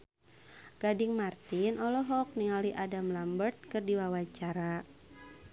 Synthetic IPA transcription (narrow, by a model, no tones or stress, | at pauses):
ɡ̥adiŋmart̪inʔɔlɔɦɔk̚niŋaliʔadamlambərt̪̚kɨrdiwawat͡ʃaɾa